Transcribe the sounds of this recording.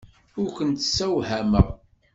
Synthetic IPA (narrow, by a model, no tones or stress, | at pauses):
ʊɾkʷənt̪sæwhæməʁ